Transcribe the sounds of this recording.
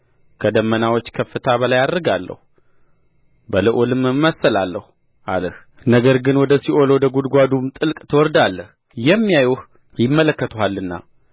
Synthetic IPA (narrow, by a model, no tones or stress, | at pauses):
kʰəd̪əmːənawot͡ʃːkʰəfːɨt̪ʰaβəlajad̪ɾɨɡalːə̰hu | bəlɨʔolɨmːɨːəsːəlalːəhu | ʔaləh | nəɡəɾɡɨnwɔd̪əsiʔo̞lowd̪əɡud̪ɡʷad̪umt̪ʼɨlkʼt̪ʰəwɔɾd̪alːəh | jɛmːijajuh | jɪmːələkːət̪ʰuɦalːɨnːa̰